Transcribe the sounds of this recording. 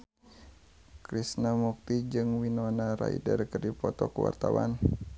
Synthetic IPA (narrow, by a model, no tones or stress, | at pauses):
kɾisnamuk̚t̪id͡ʒɨŋwinɔnaɾa̰ḭdərkərdipɔt̪ɔkəwa̰rt̪awan